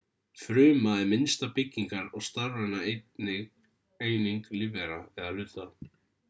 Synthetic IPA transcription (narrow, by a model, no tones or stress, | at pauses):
fɾʏːmaðɛmɪnst̪apɪcːiŋkaɾɔɣst̪aɾːanaet̪nɪɣ | eːjniŋklivɛɾaɛðalʏːt̪a